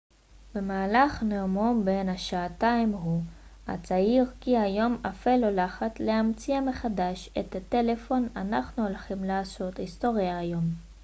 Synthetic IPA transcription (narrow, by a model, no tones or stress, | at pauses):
be̞maːlaχneumo̞mbe̞nhaʃaːt̪aimɦu | a̰t͡saiʁkiajo̞mafelolaχat͡slehamt͡siame̞χad̪aʃḛt̪at̪e̞le̞fo̞nanaχnuolχimlaːso̞t̪ist̪o̞ʁjaːjo̞m